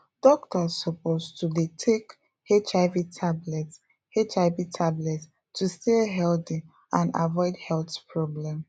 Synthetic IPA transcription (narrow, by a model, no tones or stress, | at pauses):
d̥ɔk̚tɔssɔpostʰudetʰek | et͡ʃaɪvitʰablɛt | het͡ʃaɪvitʰablɛt | tʰusteɦɛlti | ãna̰vɔɪdhɛlθpʰɹɔblɛ̃m